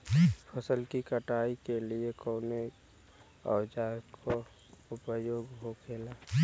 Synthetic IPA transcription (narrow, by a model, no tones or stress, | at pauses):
pʰəsəlkikəʈaːikeliekoːne | ə̰d͡ʒakʰo | ʊpəjoːɡɦokʰeːlaː